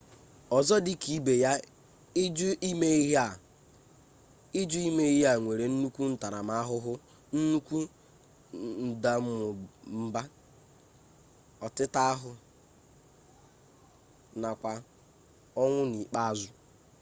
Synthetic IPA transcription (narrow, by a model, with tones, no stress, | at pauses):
ɔ˨zɔ˦dɪ˦ki˨˦be˨ja˦ | d͡ʒʊ˦i˦me˦i˦ɦa˦˨ | i˦d͡ʒu˦i˦me˦i˦ɦe˦a˨ŋʷe˨ɾe˨n̩˦nu˦kʷu˦n̩˦ta˨ɾa˨ma˦a˦ɦʊ˦ɦʊ˦ | n̩˦nu˦kʷu˦ | n̩˨da˦m̩˦mʊ˨m̩˦ba˦ | ɔ˨tɪ˦ta˦a˦ɦʊ˨ | na˨kʷa˨ | ɔ˦ŋʷʊ˦ni˨k͡pa˦a˨zʊ˦